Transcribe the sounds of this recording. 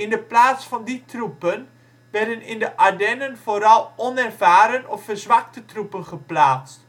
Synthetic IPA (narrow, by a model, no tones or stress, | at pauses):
ɪndəplaːsfɑnditrupən | ʋɛrdənɪndəʔadɛnənv̥oːɾɑlˠɔnɛrvaːɾənɔffərzʋɑk̚tətrupənχəplaːt͡st